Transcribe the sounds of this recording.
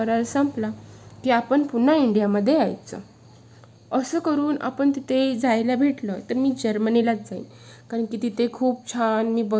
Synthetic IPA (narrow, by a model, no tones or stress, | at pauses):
əɾalsãmplakiːapəɳpunaiɳɖijaməd̪ʱːjeajt͡sə̰ | əsəkəɾuːna̰pəɳt̪it̪ed͡zajlabʱeʈlət̪əɾmiːd͡ʑəɾmənilat̪̚d͡zaḭn | kaɾəɳkit̪it̪ekʰuːp̚t͡ɕʰanmiːbə